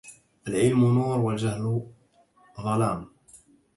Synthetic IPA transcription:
ʔalʕɪlmunuːɾˤwald͡ʒahl | ɣɑlaːm

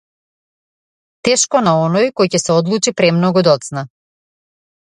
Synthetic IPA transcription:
t̪ɛʃkɔnaɔnɔjkɔjcɛsɛɔd̪lˠut͡ʃipɾɛmnɔɡud̪ɔt̪sna

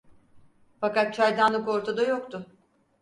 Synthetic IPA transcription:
fakat̪̚t͡ʃʰajd̪anlˠɯko̞ɾt̪ʰad̪ajokt̪ʰʊ

